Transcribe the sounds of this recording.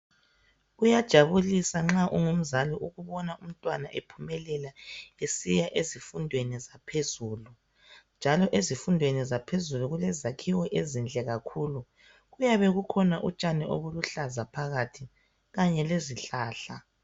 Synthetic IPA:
ɣujad̥ʒ̥ʱaβulisaŋ͡ǁaʔuŋum̩zaliʔuɣuβɔnaʔum̩tʼwanaʔepʰumɛlɛlaesijaʔezifundʱwenizapʰezuːlu | nd͡ʒʱalɔʔezifundʱwenizapʰezuluɣulɛzakʰiwɔʔezind͡ɮʱɛɣakʰuːlu | ɣujaβɛɣukʰɔnaʔut͡ʃʼanɛʔo̰βuluɬazapʰaɣatʰi | ɣaɲɛleziɬaːɬa

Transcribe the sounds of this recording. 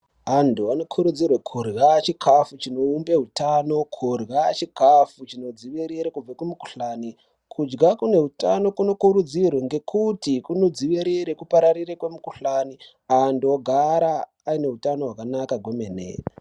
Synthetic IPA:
ɦanduano̞kʰuɾud͡zirwekʰurɣat͡ʃikʰafut͡ʃino̞umbe̞ɦutano̞kʰurɣat͡ʃikafut͡ʃinod͡ziʋiɾiɾekub͡vakumuku̥ɬaːni | kʰud͡ʒɡakune̞ɦutano̞kuno̞kuɾud͡zirweŋɡe̞kʰutikuno̞d͡ziʋiɾiɾekupaɾarirekwemukuɬani | andoɡʱaɾaː | ine̞ɦutano̞ɦwakanakaɡʱomenḛ

